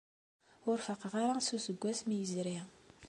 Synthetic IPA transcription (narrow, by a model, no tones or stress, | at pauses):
ʊɾfəqʁaɾasusəɡʷːæsmijəzɾi